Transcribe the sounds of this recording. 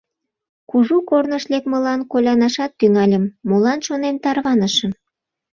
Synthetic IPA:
kuʒukornəʃlek̚mə̆lɑnkolʲɑnɑʃɑt̪ːyŋɑlʲəmːolɑnʃonent̪ɑrβɑnəʃə̆m

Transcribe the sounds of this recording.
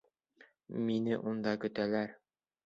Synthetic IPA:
minɘʔund̪ɑkɵ̆t̪ælæɾ

